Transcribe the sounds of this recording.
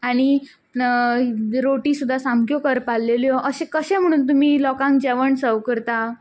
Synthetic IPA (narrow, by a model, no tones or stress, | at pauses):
aɽ̃i | ɾoʈisud̪ʱːasãmkjokəɾpalːeljɔʔəɕẽkəɕɛ̃m̤əɽ̃uːnt̪̬um̤iːlɔkãŋkd͡ʑɛʋəɳsəʋkəɾt̪a